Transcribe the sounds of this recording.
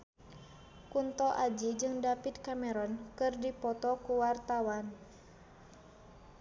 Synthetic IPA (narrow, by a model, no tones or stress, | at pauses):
kunt̪ɔʔad͡ʒid͡ʒɨŋdapit̪̚kamɛɾɔnkɨrdipɔt̪ɔkuwart̪awan